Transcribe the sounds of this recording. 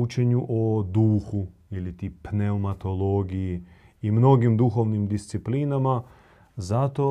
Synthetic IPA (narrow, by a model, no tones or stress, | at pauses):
ut͡ʃe̞ɲuʔod̪uːxuilit̪iːpneomat̪o̞lˠoːɡiji | imno̞ɡimd̪uxo̞ʋnimd̪ist̪siplinama | zat̪o